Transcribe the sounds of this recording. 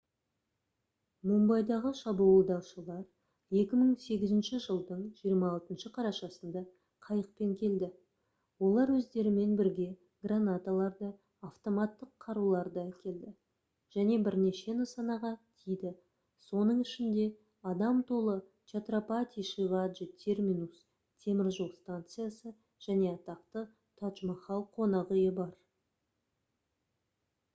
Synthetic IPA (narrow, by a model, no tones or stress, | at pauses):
mombɑjd̪ɑʁəʃɑbuəlˠd̪ɑwʃəlˠɑɾ | je̞kʲɪməɴse̞ɡʲɪzɪnʃɪʒəlˠd̪əɴʒijəɾmɑːlˠt̪ənʃəqʰɑɾɑʃɑsənd̪ɑ | qʰɑjəq̚pe̞ŋkʲʰe̞ld̪ɪ | wo̞lˠɑɾwɵzd̪e̞ɾɪme̞nbɪɾɡʲe̞ | ɡranat̪alˠɑɾd̪ə | aft̪o̞mat̪ːəqʰːɑɾulˠɑɾd̪ɑkʲʰe̞ld̪ɪ | ʒ̥æne̞bɪɾne̞ʃe̞nəsɑnɑʁɑt̪ʰijd̪ɪ | so̞nəɴɪʃɪnd̪e̞ | ɑd̪ɑmt̪ʰo̞lˠə | t͡ʃat̪ropat̪ʲiʃivad̪ʒət̪ʲʰe̞rmʲinus | t̪ʲʰe̞mɪɾʒulˠst̪ant̪sɨjasə | ʒ̥æne̞ɑt̪ɑqt̪ə | t̪ʰɑt̪ʒmɑχɑlˠqʰːonɑʁəjəbɑɾ